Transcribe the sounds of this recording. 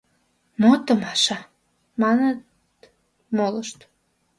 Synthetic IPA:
mot̪əmɑʃɑ | mɑnət̪ | moləʃt̪

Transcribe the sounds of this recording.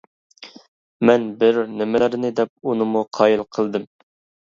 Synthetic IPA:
mɛnbɪɾnɪmɪlɪɾnɪd̪ɛp̚unɨmuqʰɑːjilˠqʰəlˠd̪ɨm

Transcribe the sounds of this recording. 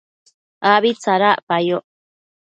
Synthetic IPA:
aβit͡saɾaʔpajoʔ

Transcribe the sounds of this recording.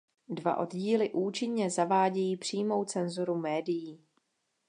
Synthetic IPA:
dva̰ʔo̞dɟiːlɪʔuːt͡ʃɪɲɲɛzavaːɟɛjiːpr̝̥iːmo̞wt͡sɛnzuɾumɛːdɪjiː

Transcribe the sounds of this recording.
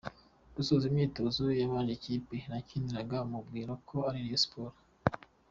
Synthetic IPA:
d̥usozimɲiːtozojaβaʒeciːpenacindiɾaɡaumubɡiːɾokʰoaɾiɾjospoɾa

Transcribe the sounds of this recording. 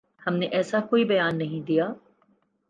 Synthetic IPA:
hɐmneʔɛːsakoːibɐjaːnːɐɦĩd̪ijaː

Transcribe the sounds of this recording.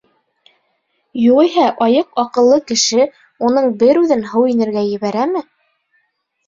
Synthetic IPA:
juʁijɦæʔɑjɤqɑqɤ̆lˠːɤkɘ̆ʃɘ | unɤɴbɘɾʉðɘnɦɤwinɘ̆ɾɡæjɘ̆βæɾæmɘ

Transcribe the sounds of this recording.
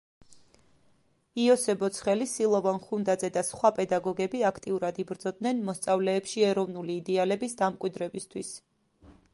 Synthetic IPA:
iɔsɛbɔt̪sʰχɛlisilˠɔvanχund̪ad̪zɛd̪asχwapʼɛd̪aɡɔɡɛbiakʰt̪ʼiuɾad̪ibɾd̪zɔd̪̚nɛnmɔst̪sʼavlɛːpʃiɛɾɔvnuliːd̪ɛalɛbisd̪amkʼwid̪ɾɛbist̪ʰwis

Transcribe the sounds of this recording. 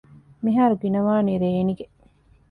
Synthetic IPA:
miɦaːɾuɡinɐʋaːniɾeːniɡe

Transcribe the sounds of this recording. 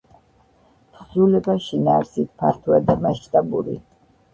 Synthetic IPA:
pχzulɛbaʃinaːɾsit̪̚ʰpʰaɾt̪ʰuad̪amaʃt̪ʼabuɾḭ

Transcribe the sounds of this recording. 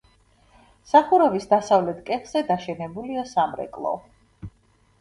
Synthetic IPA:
saχuɾɔvisd̪asavlɛt̪ʰkʼɛχz̥ɛd̪aʃɛnɛbuliɔsamɾɛ̰kʼlˠɔ̰

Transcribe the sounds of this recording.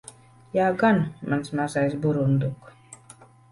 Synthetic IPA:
jaːɡanmansmazajsbuɾund̪uk

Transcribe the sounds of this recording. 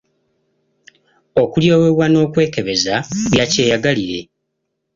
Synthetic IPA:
o̞kuljo̞ːweβwano̞ːkwe̞ːke̞βe̞zaβjace̞ːjaɡaliɾe̞̰

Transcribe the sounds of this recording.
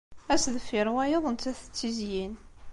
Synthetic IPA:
æsðəfɪɾwæjəðˤənt̪æθə̥t͡sːizjin

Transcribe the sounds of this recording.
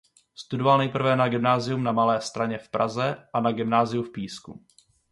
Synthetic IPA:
st̪udo̞valnɛjpr̩vɛnaɡɪmnaːzɪjumnamalɛːst̪ɾaɲɛfpɾʔazɛʔanaɡɪmnaːzɪjufpiːskṵ

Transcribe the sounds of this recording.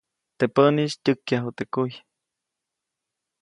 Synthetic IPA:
t̪epəniʃt̪ʲɨkːjaɦut̪ekuj

